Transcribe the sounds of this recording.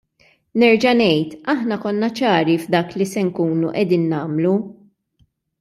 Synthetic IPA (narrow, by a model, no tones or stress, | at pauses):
nɛɾd͡ʒɐnɛjt̪ɐħnɐkɔnːɐt͡ʃɐːɾivd̪ɐːklisɛŋkuːnṵʔɛd̪iːnːɐːmlu